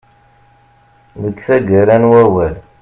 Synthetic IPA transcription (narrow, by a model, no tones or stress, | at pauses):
ðəkθæɡæɾænwæwæl